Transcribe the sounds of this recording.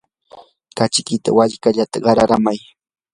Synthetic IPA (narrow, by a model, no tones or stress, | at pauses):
kat͡ʃɪkɪt̪a̰waʎkaʎat̪aɢɑɾaɾamaj